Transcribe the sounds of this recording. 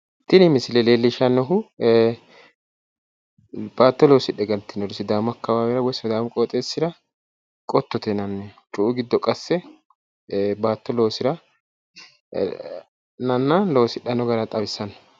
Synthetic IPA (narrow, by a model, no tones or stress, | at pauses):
t̪ːɪnɪmɪsɪlɛleːlːɪʃanːɔɦʊ | b̥aːt̪ːɔlo̞ːsɪᶑːɛɡɐnt̪ːɪnɔɾɪsɪd̪aːmɔɐkːɐwaːwɛɾɐwɔjsɔd̪aːmkʼoːt̪ʼeːsːɪɾɐ | kʼɔt̪ːɔt̪ɛnɐnːɛt͡ʃʼʊʔːɡɪd̪ːɔkʼɐsːɛ | baːt̪ːɔlo̞ːsɪɾɐ | nɐnːɐlo̞ːsɪᶑːɐnɔɡɐɾɐt̪ʼɐbɪsːɐnɔ̥